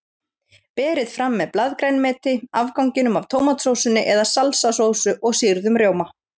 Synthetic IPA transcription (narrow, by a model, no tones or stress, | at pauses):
pɛːɾɪðfɾamːɛðplaðkɾejnmɛːt̪ɪavkawŋcɪnʏmavt̪ʰoːwmat̪ʰɾowsʏnɪʔɛðasalsasowsʏʔɔɣsiɾðʏmrjoːwma